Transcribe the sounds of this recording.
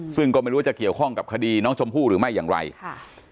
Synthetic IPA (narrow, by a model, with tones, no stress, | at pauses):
sɯ˥˩ŋkɔː˥˩a˥˩ɾu˦˥˩t͡ɕki˨˩əwkʰɔ˥˩ŋka˨˩p̚kʰa˧diː˧nɔː˦˥ŋt͡ɕʰo˧mpʰuː˥˩ɾɯː˩˦ma˥˩jːaː˨˩ŋɾa̰˧jʰ